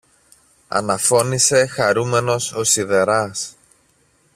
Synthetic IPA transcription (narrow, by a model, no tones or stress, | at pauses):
ɐ̰nɐfo̞nise̞xɐɾume̞no̞so̞siðe̞ɾɐs